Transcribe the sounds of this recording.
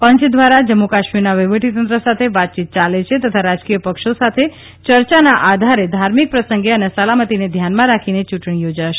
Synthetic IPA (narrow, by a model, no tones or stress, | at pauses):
pəɲt͡ʃʰd̪ʋaɾad͡ʒəmːokaʃmiɾnaʋiʋəʈit̪ənt̪ɾəsat̪ʰeʋat̪̚t͡ʃit̪̚t͡ʃalet͡ʃʰet̪ət̪ʰaɾad͡ʒkijəpəkʃosat̪ʰe | t͡ʃəɾt͡ʃanaʔad̪ʱaɾed̪ʱaɾmik̚pɾəsəŋɡeənesəlamət̪ined̪ʱjanmãɾakʰinet͡ʃuʈɳijod͡ʒaʃe̥